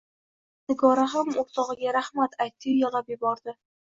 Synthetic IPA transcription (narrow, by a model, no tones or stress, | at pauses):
t̪ɪɡɒɾaɦamoɾt̪ʰɒʁɨɡʲaɾahmat̪ajt̪ʰːɪjalˠapjɪbɒɾd̪ɪ